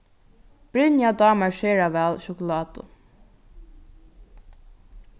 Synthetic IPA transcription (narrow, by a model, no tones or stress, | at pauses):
b̥ɾɪnjad̪ɑːmaɹʃeːɹaʋɛːlʃʊkʊlɑːt̪ʊ̰